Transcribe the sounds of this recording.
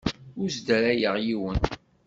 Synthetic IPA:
ʊɾzd̪əɾæjəʁjiwən

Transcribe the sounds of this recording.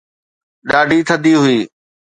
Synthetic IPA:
ɗaːɖʱiːt̪ʰəd̪iːɦʊiː

